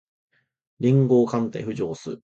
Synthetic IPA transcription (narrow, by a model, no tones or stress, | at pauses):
ɾʲĩŋɡo̞ːkãnt̪ḛɸɯ̟ʑoːsɨ̰